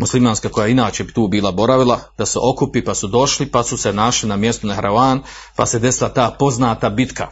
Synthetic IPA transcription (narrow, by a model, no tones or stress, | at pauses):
muslimaːnskako̞jainaːt͡ɕebit̪uːbiːlˠabo̞ɾaʋilˠad̪̥aseʔo̞kupipasud̪o̞ʃlipasuse̞naʃlinamje̞st̪unahɾʔaaːn | pa̰sed̪e̞silˠat̪aːpo̞znaːt̪abit̪kʰa̰